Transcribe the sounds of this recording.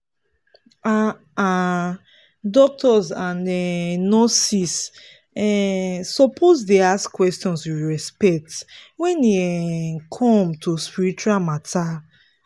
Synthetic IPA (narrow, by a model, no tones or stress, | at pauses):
a | a | dɔk̚tɔzãnɛnɔsis | ɛːɔpʰozdeaskwɛstɔ̃nswiwɹɛspɛk̚twɛ̃neɛkʰɔ̃mtʰuspiɹit͡ʃualmatʰa